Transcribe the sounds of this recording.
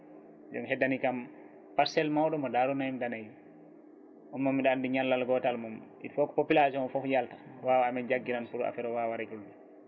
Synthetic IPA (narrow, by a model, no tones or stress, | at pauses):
d͡ʒɔ̰ŋɦɛdanikam | paɾsɛlmawɗɔmɔdaɾunajimdanaji | ʔɔnmɔmːiɗandiɲalːalɡɔtalmum | ḭfɔkɔ̥popilasɔnfɔfjaltḁwawaːmɛnd͡ʒaɡːiɾanpuɾa̰fɛɾɔwawaɾɛkuld͡ʒu